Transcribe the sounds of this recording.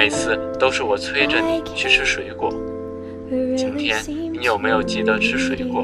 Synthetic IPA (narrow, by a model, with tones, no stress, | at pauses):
i˧˥t͡sʰɹ̩˥˩t̪o˥ʊʂɻ̩˥˩wɔ˨˩t͡sʰwe˥ɪʈ͡ʂə˩ni˨˩˦t͡ɕʰy˥ʈ͡ʂʰɻ̩˥ʂwe˨˩ɪkwɔ̰˨˩˦ | t͡ɕi˧˥nt̪ʰjɛ˥nni˧˥jo˨˩ʊme˧˥jo˨˩ʊt͡ɕi˥˩d̪ə˧ʈ͡ʂʰɻ̩˥ʂwe˨˩ɪkwɔ̰˧˩˦